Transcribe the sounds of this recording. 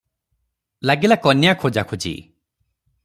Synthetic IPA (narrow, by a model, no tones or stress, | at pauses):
laɡilakɔnjakʰod͡ʒakʰud͡ʒḭ